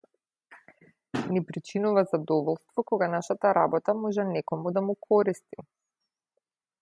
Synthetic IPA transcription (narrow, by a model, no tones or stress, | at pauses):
nipɾit͡ʃinuvazad̪ɔvɔlˠst̪vɔkɔɡanaʃat̪aɾabɔt̪amɔʒɛnɛkɔmud̪amukʰɔɾist̪i